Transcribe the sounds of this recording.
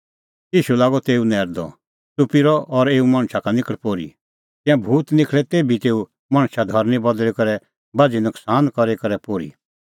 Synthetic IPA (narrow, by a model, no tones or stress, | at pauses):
jiːʃulaːɡɔt̪eːunɛːɾd̪ɔ̰ | tupiɾɔʔɔɾeːumɐ̃ɽ̃ʃʰakanɪkəɽpoːɾḭ | t̪ɪ̃ãbʱuːt̪nɪkʰlɛt̪eːbit̪eːu | mãɽ̃ʃad̪ʱɔɾnibɐd̪lɛkɐɾɛ | bad͡ʒinʊksaːnkɔɾekɐɾɛpoːɾḭ